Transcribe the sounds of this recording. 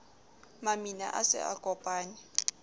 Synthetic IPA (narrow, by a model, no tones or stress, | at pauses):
mamina̰ʔasɛ̰a̰kʼɔpʼaːni